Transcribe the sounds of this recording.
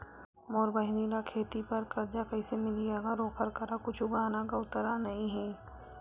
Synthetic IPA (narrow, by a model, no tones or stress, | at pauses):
moːɾbəɦɪniɾakʰeːt̪ipɐɾkɐɾd͡ʒakɐisemɪlieːɡaɾoːkʰəɾkəɾakʊt͡ʃʰʊɡaːnakaʊt̪əɾanɐɦĩɦɛː